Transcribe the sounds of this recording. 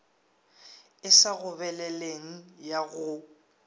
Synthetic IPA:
ɪsaɣʊβɛlɛleŋ̩jaɣʊ

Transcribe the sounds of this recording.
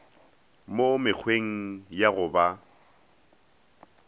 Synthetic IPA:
momɪk͡xʰweŋ̩jaɣʊba

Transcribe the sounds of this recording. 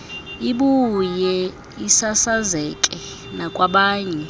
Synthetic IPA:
iɓujɛ | isasazɛkʼɛ | nakʼwaɓaːɲɛ

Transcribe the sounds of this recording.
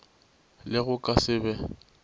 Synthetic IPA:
lɪɣʊkʼasɪːbɛ

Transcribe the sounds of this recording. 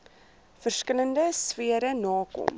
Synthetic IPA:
fərskələndəsviəɾənɑːkɔ̰m

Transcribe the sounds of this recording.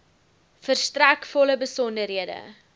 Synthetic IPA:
fərstrækfɔləbəsɔndərɦiədə̰

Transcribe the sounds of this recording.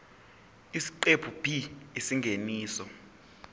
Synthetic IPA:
isi̥ǃepʰub̥ʱiisiŋɡʱeniːsɔ

